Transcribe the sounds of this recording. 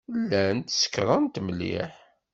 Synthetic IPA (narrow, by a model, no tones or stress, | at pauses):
lːænt̪sə̥kːɾˤɑnt̪mlḭħ